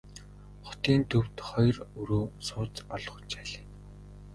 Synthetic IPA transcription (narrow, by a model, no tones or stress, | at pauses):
χʊ̥t̪iːnt̪ʰɵw̥t̪χɔjrɵɾoːsʊːt͡sɔɮ̆χʊ̥̆t͡ɕæɮiː